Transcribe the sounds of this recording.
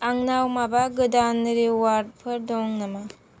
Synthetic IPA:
aŋnawmabaɡɯdanɯɾiwaɾd̚pʰɯɾdɔŋnɐma

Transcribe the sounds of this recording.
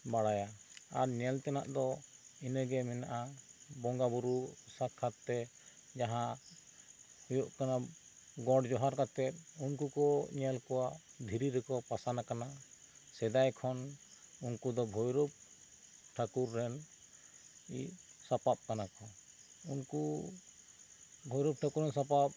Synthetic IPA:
baɽajaaɾɲɛlt̪ɛna̰ʔd̪ɔinɛɡɛmɛnaʔabɔŋɡabuɾusakʰːat̪ːɛ | d͡ʒaɦã | hujuʔkana | ɡɔɽd͡ʒɔɦaɾkat̪ɛt̪̚unkukɔɲɛlkɔwad̪ʱiɾiɾɛkɔpasanakanasɛd̪ajkʰɔnunkud̪ɔbʱɔjɾup̚ | ʈʰakuɾːɛn | ḭsapap̚kanakɔ | unku | bʱɔjɾup̚ʈʰakuɾɛnsapap̚

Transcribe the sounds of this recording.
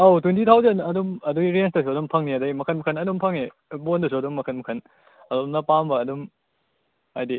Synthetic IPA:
owtwentʰitʰawzɐnɐdumɐdujɾensdɐs̬uɐdumpʰɐŋniɐdɐjmɐkʰɐnmɐkʰɐnɐdumpʰɐŋe | bondɐsuɐdumːɐkʰɐnmɐkʰɐn | ɐdumnɐpambɐːdum | ajdi

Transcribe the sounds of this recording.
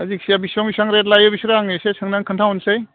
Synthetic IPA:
ɐzik̚sijabisɔŋbisaŋɾet̬lajɯbisɾaŋesesɯŋnaŋkʰɯntʰaɔnsej

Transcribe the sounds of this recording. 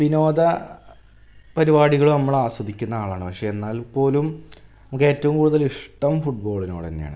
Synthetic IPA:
ʋino̞ːd̪ɐ | pɐɾibaːɽiɣɐɭunɐmːɐɭaːswɐd̪ʱikʲːunːɐaːɭaːɳɨpɐkʂejenːaːlpo̞ːlumnɐmukːe̞ːtːɐʋumkuːɽuðɐliʂʈɐʋumfuʈ̚bo̞ːɭinoːɽenːeja̰ːɳɨ

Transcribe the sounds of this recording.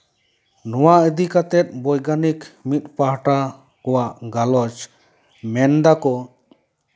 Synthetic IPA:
nɔwaʔəd̪ikat̪ɛt̪̚bɔjɡanikmit̪̚ˀpaɦʈa | kɔwaʔɡalɔt͡ʃ | mɛnd̪akɔ

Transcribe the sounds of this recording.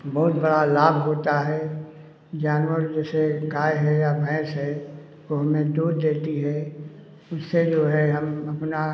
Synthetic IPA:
bɔɦʊt̪bɐɽalaːbʱɦoːt̪aɦɛ | d͡ʒaːnwəɾd͡ʒɛːseɡaːjɦɛjabɛ̃ːsɦɛ | koɦɐmẽd̪uːɾd̪eːt̪iɦɛ | ʊsːed͡ʒoːɦɛɦɐmɐpna

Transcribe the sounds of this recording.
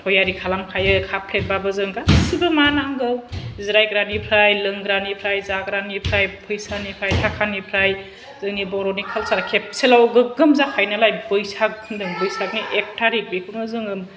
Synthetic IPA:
tʰɔjaɾikʰalamkʰajɯkʰapʰlet̚babɯzɯŋɡasɯbɯmanaŋɡɯwziɾajɡɾanipʰɾajlɯŋɡɾanipʰɾajzaɡɾanipʰɾajpʰɯjsanipʰɾajtʰakʰanipʰɾaj | zɯŋnibɔɾɔnikʰalsaɾkʰep̚selawɡɯɡɯmzakʰajnalajbɯjsak̚ʰɯndɯŋbɯjsak̚niʔek̚tʰaɾik̚bikʰɯŋɯzɯŋɯm

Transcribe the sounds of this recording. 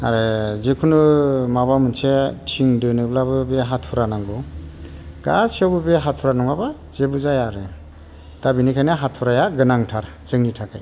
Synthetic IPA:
aɾezekʰunumaβamɯnsetʰiŋdɯnɯblabɯbeɦatʰuɾanaŋɡu | ɡ̥asiawbɯbeɦatʰuɾanɔŋaba | z̥ebuzajaɾɯ | tabinikʰajnaɦatʰuɾajaɡɯnaŋtʰaɾ | zɯŋnitʰakʰa̰j

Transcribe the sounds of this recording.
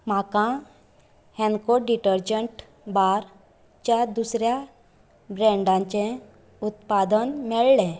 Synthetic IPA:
makã | hɛ̃nkoɾɖiʈəɾd͡ʑəɳʈ | baɾ | t͡ɕjad̪usɾja | bɾɛ̃ɳɖãɲt͡ɕẽ | ut̪pad̪ənmɛɭlẽ

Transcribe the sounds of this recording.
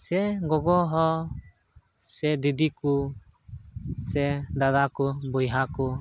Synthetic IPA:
sɛɡɔɡɔɦɔ | sɛd̪id̪iku | sɛd̪ad̪akubɔjɦaku

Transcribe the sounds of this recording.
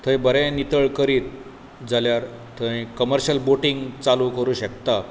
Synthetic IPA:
t̪ʰə̃jbəɾɛ̃nit̪əɭkəɾiːt̪̚ | d͡zʱaljaɾ | t̪ʰəĩkəməɾɕəlboʈiŋɡt͡saluːkəɾuːɕəkt̪a

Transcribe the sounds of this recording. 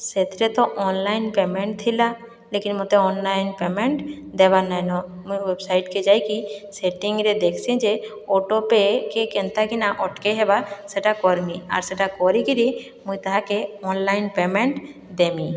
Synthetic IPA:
set̪ɾet̪ɔʔɔnlajnpemeɳʈ̚t̪ʰila | lekinmot̪eɔnlajnpemeɳʈd̪ɛβanajnɔmujwebsajʈked͡ʒajkiseʈiŋɡɾed̪ekʰsĩd͡ʒe | oʈopekekɛnt̪akinaʔɔʈkeɦɛbaseʈakɔɾmia̰ɾseʈakɔɾikiɾi | mũjt̪aɦakeɔnlajnpemeɳʈ | d̪emĩ

